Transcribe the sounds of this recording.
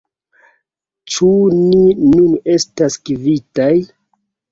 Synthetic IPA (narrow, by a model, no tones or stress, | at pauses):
t͡ʃuninune̞staskivitaj